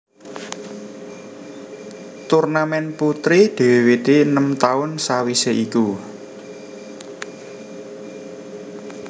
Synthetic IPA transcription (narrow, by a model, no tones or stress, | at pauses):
t̪urnamɛnput̪ɾid̪̥e̤wewit̪iənəmt̪aʊnsawiseʔiku